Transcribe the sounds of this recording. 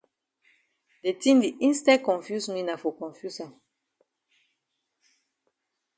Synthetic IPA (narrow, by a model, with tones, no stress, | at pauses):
de˨tĩ˦ndi˨ʔĩ˦nstɛ˦kɔ̃˨nfju˦sni˦na˨fo˨kɔ̃˨nfju˦sa˨